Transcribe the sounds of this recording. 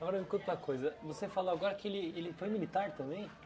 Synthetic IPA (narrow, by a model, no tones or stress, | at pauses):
ɡɔɾɐvekũt̪ɐkʰojzɐvosefaloaɡɔɾɐkɪelɪelɪfojmilit̪aɾt̪ɐ̃mbẽj̃